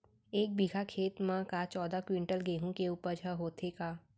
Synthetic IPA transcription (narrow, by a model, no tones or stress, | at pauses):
eːk̚biɡʱakʰeːt̪mɛ̃kat͡ʃɔːd̪akwɪ̃ɳʈəlɡeːɦũkeuːpəɾd͡ʒʱəɦoːt̪ʰekaː